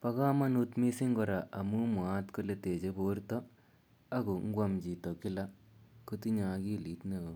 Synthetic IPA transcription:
pɐ˦ka˦ma˦nu˦t̪mi˦si˦ŋɡɔ˨ɾa˨ʔɐ˨mu˦mu˨aː˦t̪kɔ˦le˦t̪e˨d͡ʒe˦bo˦ɾt̪ɔ˦ | ɐ˦ɡu˨ŋ̩˦ɡwa˦md͡ʒi˨t̪ɔ˨ki˦la˦ | ku˦t̪i˦ɲa˨ɡi˦li˨˦t̪nɐ˨

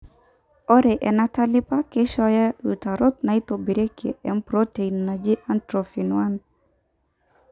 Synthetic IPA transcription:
ɔ˦ɾe˨ʔɛ˨na˦ta˦lɪ˦pa˦ke˦ʃɔ˦ja˦ɾu˨ta˨ɾo˦t̪̚na˨i˦t̪o˨bi˨ɾe˦kḛ˨ʔɛ˦mpɾote˨inːa˨d͡ʒe˦ʔa˦ntɾofi˨nwa˦n

